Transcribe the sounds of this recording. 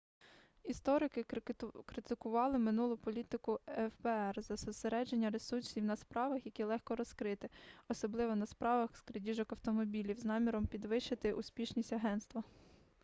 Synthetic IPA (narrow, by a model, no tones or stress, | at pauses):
ist̪ɔɾɪkɪkɾɪt̪ɪkʊʋɑlˠɪmɪnulˠʊpɔlʲit̪ɪkʊɛfbɛɛrzɐsɔseɾɛd͡ʒenʲːɐɾesuɾsʲiwnɐspɾɑʋɐxjɐkʲilˠɛxkɔɾɔskɾɪt̪ɪɔsɔblˠɪʋɔnɐspɾɑʋɐxskɾedʲiʒɔkɐwt̪ɔmɔbʲilʲiwznɑmʲiɾɔmpʲid̪ʋɪʃt͡ʃɐt̪ɪʔusʲpʲiʃnʲisʲtʲɐɦɛnst̪ʋɐ